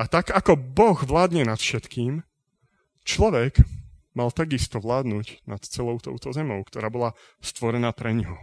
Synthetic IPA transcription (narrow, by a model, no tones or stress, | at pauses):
ʔat̪aɡakɔbɔɣʋlaːd̪ɲɛnat̪fʃɛt̪kiːm | t͡ʃlɔʋɛɡ | malt̪aɡist̪ɔʋlaːd̪nuːcnat̪t͡sɛlɔʊt̪ɔ̰ʊt̪ɔzɛmɔʊkt̪ɔɾaːbɔla | st̪ʋɔɾɛnaːpɾɛɲɦɔ